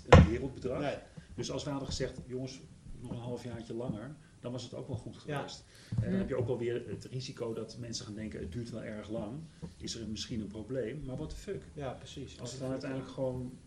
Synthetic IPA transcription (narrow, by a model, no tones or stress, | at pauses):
ənʋɪːrəlˠd̚bədrɑd̥øsɑlˠsʋɑdəχəzɛχtjoŋəsnɔχənɦɑlˠəfjaːɹcəlɑŋəɹ | d̥ɑnʋɑsəto̰wkʋɛlˠχutχəʋejst | ɦɛdɔnɦɛpjəowkʋɛlˠʋɪːɹətrizikowdɑtmɛnsəχaːndɛŋkəəd̚yːɹtʋɛlˠʔɛɹχlɑŋɪsəɹmɪsχinənprowblejmːaːɹʋɑtəføksiɑ̰lˠssədnœtɛjndələkχəʋon